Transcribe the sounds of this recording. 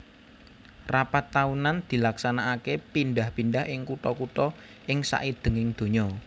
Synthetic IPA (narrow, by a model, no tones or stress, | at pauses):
rapat̪ːaunand̪̥i̤laksanaːkepindahpindaɦʔɪŋkuʈɔkuʈ̪ɔ | ʔɪŋsa̰ʔid̪̥ə̤ŋɪŋd̪̥o̤ɲɔ